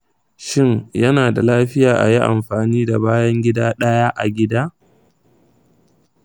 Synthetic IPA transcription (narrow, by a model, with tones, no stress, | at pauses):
ʃɪ˦ŋjɐ˦naː˨da˨laː˦ɸɪ˦jaː˨ʔa̰˨ji˦ʔa̰˨mɸaː˨niː˦da˨baː˦jɐ˦ŋɡʲɪ˦daː˦ɗɐ˦jaː˦ʔa˨ɡʲɪ˦daː˦